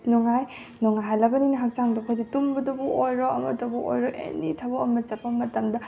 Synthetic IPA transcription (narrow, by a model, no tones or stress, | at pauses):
nɔŋaj | nɔŋajɦajlɐbɐninɐɦak̚t͡ʃaŋdɔpʰaditumbɐdɐbuʔojɾɔɐmɐtɐbuʔo̰jɾɔʔḛnitʰɐboɐmɐt͡ʃɐpːɐmɐtɐmdɐ